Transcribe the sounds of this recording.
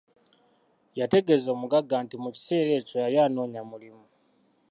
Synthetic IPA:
jate̞ɡe̞zo̞ːmuɡaɡːaːntimuci̥se̞ːɾe̞ːcojajaːno̞ːɲamulimu

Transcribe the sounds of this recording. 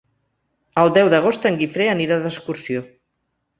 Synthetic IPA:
əlˠd̪ɛwðəɣ̞ost̪əŋɡifɾeəniɾaðəskuɾsio

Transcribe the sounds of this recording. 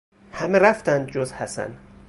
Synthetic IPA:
hæmeɾæft̪ænd̪̚d͡ʒozhæsæ̰n

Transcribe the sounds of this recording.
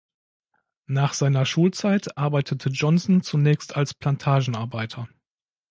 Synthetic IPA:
naːχz̥aɪnɐʃuːlt͡saɪtʔaɐbaɪtʰətʰəd͡ʒɔnsn̩t͡sunɛːçstʰalspl̥antʰaːʒn̩ʔaɐbaɪtʰɐ

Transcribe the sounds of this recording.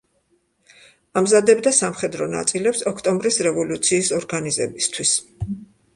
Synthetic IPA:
amzad̪ɛbd̪asamχɛd̪ɾɔna̰t̪sʼilɛpsɔkʰt̪ʼɔmbɾisɾɛvɔlut̪sʰiːsɔɾɡanizɛ̰bist̪ʰwis

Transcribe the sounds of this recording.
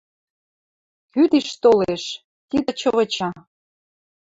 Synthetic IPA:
kyd̪eʃt̪oleʃ | t̪id̪ə̆t͡ɕəβə̆t͡ɕɑ

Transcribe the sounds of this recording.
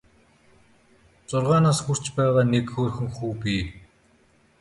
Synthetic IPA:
t͡sʊrʁaːnaːsxur̥t͡ɕpæːʁaːnekxoːrxɘ̆ŋxuːpiː

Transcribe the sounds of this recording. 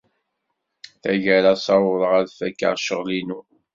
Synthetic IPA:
θæʝæɾasˤɑɾʊɾˤəʁæɾfækːa̰ʁʃəʁlinu

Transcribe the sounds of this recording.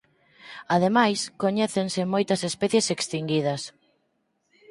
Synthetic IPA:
að̞emajskoɲɛθensɪmojt̪ɐsespɛθjesekst̪iŋɡið̞ɐs

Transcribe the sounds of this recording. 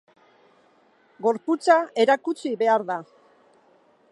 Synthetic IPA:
ɡo̞ɾput͡sae̞ɾakut͡siβe̞aɾða

